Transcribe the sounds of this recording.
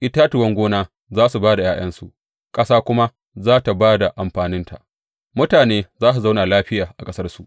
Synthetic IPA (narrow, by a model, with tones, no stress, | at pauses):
ʔɪ˦taː˦tʊ˨wɐ˦ŋɡʷoː˦naː˦ | zaː˦su˨baː˦da˨jaː˦j̰ɐ˦nsṵ˨ | kʼɐ˦saː˦kʷʊ˦ma˦ | zaː˦ta˨baː˦da˨ʔa˨mɸaː˨nɪ˦nta̰˨ʔ | mʊ˦taː˨neː˦zaː˦su˨za˦wna˨laː˦ɸɪ˦jaː˨ʔa˨kʼɐ˦sɐ˦rsu˨ʔ